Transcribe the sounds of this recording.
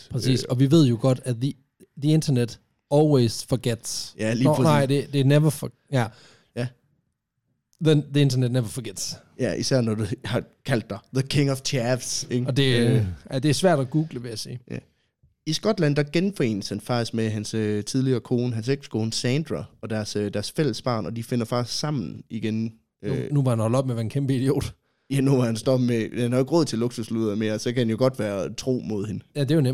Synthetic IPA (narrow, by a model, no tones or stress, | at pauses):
pʰʁɛsḭːsɒ̽ʋiʋe̝ð̞̰ˠjo̝ɡ̥ɒ̽d̥æði | ðie̝nd̥ʰɐned̥ | ɒːlwesfɒɡ̥ed̥sjælinɑɪ̰de̝d̥eneʋɐf | jæ | jæ | ðenðie̝nd̥ɐned̥ⁿneʋɐfɒɡ̥ed̥s | jæʔisæɐ̰nɒd̥uhɑ̈kʰæl̰d̥ːɑðəkʰe̝ŋɒʋt͡sʰæʋseŋɒ̽d̥e̝æd̥e̝æɐsʋæɐ̰d̥ɒɡ̥uːɡ̥ləʋe̝jæsiːæ | isɡ̥ɒ̽d̥læn̰d̥ɑɡ̥enfɒ̽e̝̰ːnəshænfɑ̈ɡ̥̚isɡ̥meɦænsøt͡sʰið̞ˠliɐːkʰo̝ːnəɦænseɡ̥skʰoːn̩əsænd̥ʁɑɒ̽d̥æɐsød̥æɐsfel̰əsb̥ɑ̰̈ːnɒ̽d̥ife̝n̰ɐfɑ̈ɡ̥isɡ̥sɑ̈m̰n̩iɡ̥en | ønuʋɑ̈hænhɒ̽lɒ̽b̥meʋæɐn̩kʰemb̥əid̥io̝̰ːd̥ | jænuʋɑ̈hænsd̥ɒ̽b̥mehænhɑ̈joe̝ɡ̥ʁɔð̰ˠt͡sʰe̝loɡ̥susluðˠɐme̝ːɐsɒ̽kæhænjo̝ɡ̥ɒ̽d̥ʋæːɐt͡sʰʁo̝̰ːmo̝ðˠhe̝nəjæd̥ejonem̰